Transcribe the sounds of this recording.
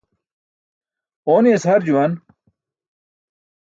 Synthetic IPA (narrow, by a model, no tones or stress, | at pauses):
oːneshɐɾd͡ʑuwɐn